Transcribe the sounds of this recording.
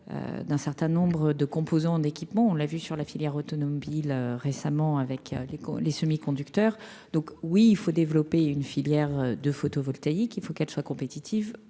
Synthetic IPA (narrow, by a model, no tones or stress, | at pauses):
ø̰d̪ɛ̃sɛʁt̪ɛ̃nɔ̃bʁəd̪əkɔ̃pozɑ̃d̪ekʲipmɑ̃ɔ̃lavysyʁlafiljɛʁot̪ɔnɔbiløʁesamɑ̃avɛkø̰leklesəmikɔ̃d̪ykt̪œːʁ | d̪ɔ̃kwiːlfod̪evlɔpeynfiljɛʁød̪əfot̪ovɔlt̪aikilfokɛlswakɔ̃pet̪it̪ʰiv